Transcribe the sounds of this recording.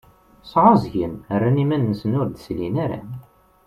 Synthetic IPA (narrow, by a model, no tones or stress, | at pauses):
sʕɑzʝənərːænimænːəsənʊɾd̪slḭnæɾa̰